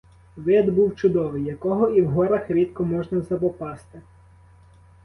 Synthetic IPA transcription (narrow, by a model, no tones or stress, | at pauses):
ʋɪd̪buwt͡ʃʊd̪ɔʋɪjːɐkɔɦɔiwɦɔɾɐxɾʲit̪kɔmɔʒnɐzɐpɔpɑst̪ɪ